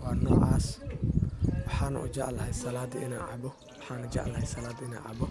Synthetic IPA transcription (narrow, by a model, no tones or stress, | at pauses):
wɑːrnɔ̰ːʕɑ̰ːs | wɑħɑːnʊ̰ʔʊ̰d͡ʒɑʔlɐhɛjsɐlaːd̪ɪnaːʕɑ̰bɔ | wwɑħɑːnʊd͡ʒɐ̰ʔlɐhɛjsɐlaːd̪ɪna̰ːʕɑ̰bɔ